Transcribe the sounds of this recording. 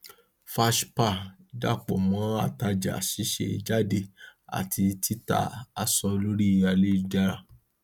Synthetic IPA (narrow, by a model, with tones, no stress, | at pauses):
fa˧ʃpa˦˨da̰˦˨k͡pɔ̰˨mɔ̃˨˦a˦˨ta˧d͡ʒa̰˨ʃi˨˦ʃḛ˦˨˧d͡ʒa˦de˧a̰˨tʰi˧ti˦ta̰˦˨a˨sɔ˧lo˦ɾi˦˨ja˧le˦˨d͡ʒa˧ɾa̰˨